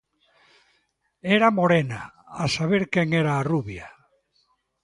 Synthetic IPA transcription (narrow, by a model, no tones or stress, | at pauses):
eɾamoɾena | asaβ̞eɾkeŋeɾaːruβja